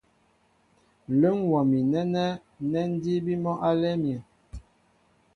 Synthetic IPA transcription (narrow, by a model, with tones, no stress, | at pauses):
lə˦ŋwɔ˨mi˨nɛ˦nɛ˦ | nɛ˦n˦di˦bi˦mɔ˦ʔa˦lɛ˦mjɛ˨